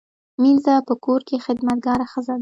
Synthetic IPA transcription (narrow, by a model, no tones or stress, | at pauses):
minzapəkoɾkexɪd̪mat̪̚ɡɑɾaxəzad̪a